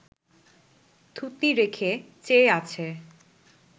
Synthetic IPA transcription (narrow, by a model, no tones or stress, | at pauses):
t̪ʰut̪niɾekʰet͡ɕeat͡ɕʰe